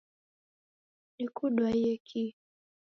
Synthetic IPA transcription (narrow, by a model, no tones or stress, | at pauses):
nikuɗwaiɛkʰi